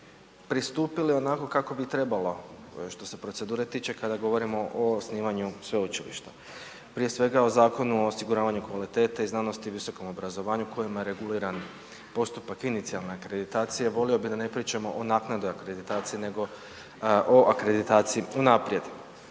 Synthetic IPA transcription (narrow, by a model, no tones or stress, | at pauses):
pɾist̪uːpilio̞nako̞kako̞bit̪ɾe̞balo̞ʃt̪o̞se̞pɾo̞t̪se̞d̪uːɾe̞t̪iːt͡ʃe̞kad̪aɡo̞ʋo̞ɾimo̞ʔosniːʋaɲusʋe̞ut͡ʃilḭʃt̪a | pɾije̞sʋe̞ɡao̞zaːko̞nuoːsiɡuɾaːʋaɲukʋalit̪e̞ːt̪aiznaːno̞st̪iʋiso̞ko̞mo̞bɾazo̞ʋaːɲukʰo̞jimajeɾe̞ɡuliːɾan | po̞st̪upakinit̪sialˠne̞akɾe̞d̪it̪aːt̪sijeʋo̞lio̞bid̪ane̞pɾiːt͡ʃamo̞ʔonaːknad̪ojakɾed̪it̪aːt̪sijine̞ɡo̞ | ʔoʔakɾe̞d̪it̪aːt̪sijiunaːpɾje̞d̪